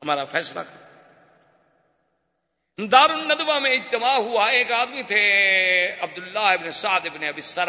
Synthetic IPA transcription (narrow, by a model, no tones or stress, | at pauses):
ɦɐmaːɾafɛːsla̰kʰɐ | d̪aːɾʊnːɐd̪ʋamẽɪd͡ʒt̪ɪmaːɦuaeːkaːd̪mit̪ʰe | ɐb̚d̪ʊlːaːɦɪbnesaːd̪ɪbneɐbɪsɐɾ